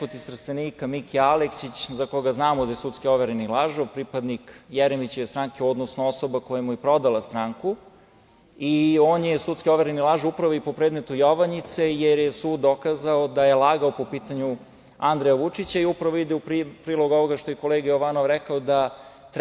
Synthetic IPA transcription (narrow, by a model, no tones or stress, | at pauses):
pot̪ist̪ɾ̩st̪eniːkamikialeksit͡ɕzakoɡaznaːmod̪ajesut̪skioʋeɾenilˠaʒoʋpɾipad̪nikjeɾemit͡ɕeʋest̪ɾaŋkeod̪nosnoosobako̞jamujepɾo̞d̪alˠast̪ɾaːŋku | ioːnjesut̪skio̞ʋeɾenilˠaʒupɾaʋoipopɾeːd̪met̪ujoʋanit̪se̞jeɾjesuːd̪ːo̞kaːzaod̪ajelˠaɡaopo̞piːt̪aɲu | and̪ɾejaʋut͡ʂit͡ɕaiupɾaʋoid̪eupɾipɾiːlˠoɡo̞ʋoɡaʃt̪ojeko̞leːɡajoʋanoʋɾɛkaod̪a | t̪ɾ